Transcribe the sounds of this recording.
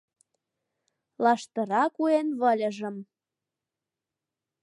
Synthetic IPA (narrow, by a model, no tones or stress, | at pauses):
lɑʃt̪ə̆ɾɑkuenβə̆lʲə̆ʒə̆m